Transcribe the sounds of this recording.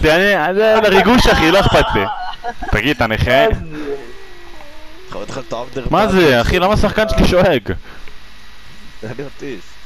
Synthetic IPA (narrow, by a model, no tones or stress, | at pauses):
tianiazeleʁiɡuʃaχiloaχpatit̪aɡid̪̚t̪aneχe | t̪χaet̪χat̪avd̪eʁmazeaχilamasaχkanʃeliʃoeɡ | aniat̪is